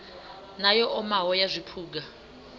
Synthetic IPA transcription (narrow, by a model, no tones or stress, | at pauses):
najɔʔɔmaɦɔjazʷipʰuːɡ̬a